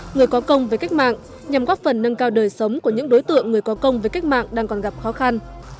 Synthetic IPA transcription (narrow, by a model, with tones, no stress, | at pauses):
ŋɨ˨˩əjkɔ˨˦kə˧wŋ͡mve˨˩ka˦˥jk̚ma̰ː˧˨ŋ | ɲa˨˩mkɔː˦˥t̚fə˨˩nːə˧nkaː˧wɗəː˨˩jsə˨˦wŋ͡mku˧˩əɲɨ̰˧˥ŋɗo˨˦jt̪ɨ̰˧˨əŋːɨ˨˩əjkɔ˨˦kə˧wŋ͡mve˨˩jka˦˥jk̚ma̰ː˧˨ŋɗaː˧ŋkɔ˨˩nɣa˨˩p̚xɔ˨˦xa˧n